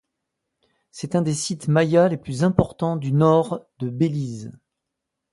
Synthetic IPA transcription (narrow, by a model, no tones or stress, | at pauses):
sɛt̪ɛ̃d̪esit̪majaleplyzɛ̃pɔʁt̪ɑ̃d̪ynɔʁd̪̥əbeliz